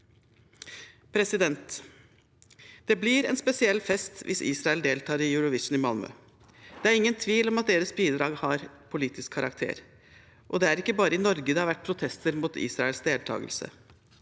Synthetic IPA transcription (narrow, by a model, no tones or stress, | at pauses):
pʰɾɛsɪd̪ɛnt̪ | d̪̥ɛblɪɾɛ̰nspɛsɪɛlːfɛst̪ʋʔɪ̰sḭːsɾɑɛld̪eːlt̪ʰɑːɾɪjʉɾɔʋɪʂn̩ɪmɑlmœ̰ | d̪̥ɛæɾɪŋːənt̪ʰʋiːlɔmɑt̪̚d̪eːɾəsbiːd̪ɾɑːɡhɑɾpʰʊliːt̪ɪskʰːɑɾʔɑ̰kt̪ʰḛːɾ | ʔɔd̪ɛæɾɪkːəbɑːɾəɪnɔɾɡəd̪ɛhɑɾʋæʈ̚ːpʰɾʊt̪ʰɛst̪əɾmuːt̪ḭːsɾɑɛlsd̪eːlt̪ʰɑ̰ːɡəlsə̰